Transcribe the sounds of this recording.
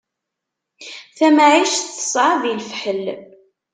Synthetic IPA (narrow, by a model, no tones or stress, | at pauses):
θæmaʕiʃθsˤɾˤɑðilfħəl